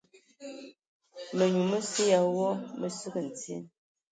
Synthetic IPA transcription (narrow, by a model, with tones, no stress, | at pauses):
mə˨ɲu˨mə˦se˦ja˨wɔ˦mə˦sə˦ɡə˨n̩˨t͡sḛ˦n